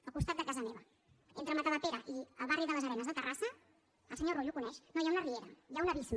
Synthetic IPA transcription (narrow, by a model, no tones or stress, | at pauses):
əlˠkust̪at̪̚d̪əkazəmeβ̞ə | ent̪ɾəmət̪əβət̪eɾəʔiə̰lˠβariðələzəɾɛnəzðət̪ərasə | əlˠsəɲoroʎukunɛʃnojaunərieɾəjaunəβism